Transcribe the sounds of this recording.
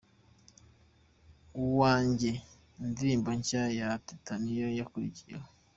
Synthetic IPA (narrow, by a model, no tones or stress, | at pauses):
uwaːɲɟe | ndiɾiːmboɲcajatitanijojakuɾiciɾao